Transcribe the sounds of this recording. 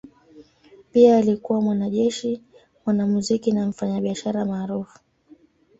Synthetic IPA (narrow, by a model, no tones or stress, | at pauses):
piaːlikuwamwanaʄɛʃi | mwanamuzikinam̩faɲaɓiaʃaɾamaːɾufu̥